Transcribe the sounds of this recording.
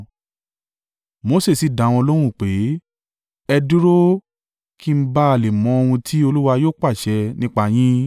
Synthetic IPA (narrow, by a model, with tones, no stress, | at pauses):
mo˨˦se˦˨si˨da˨˦w̃ɔ̃˧lo˦ɾ̃ũ˦˨k͡pe˨˦ | ɛ˧du˦ɾo˦ | kʰi˦˨m̩˦ba˦a˧˨le˨mɔ̃˨˦o˧hũ˧tʰi˦o˧lu˦wa˧joː˦k͡pa˦˨ʃɛ˧nĩ˦k͡pa˧˨j̃ĩ˦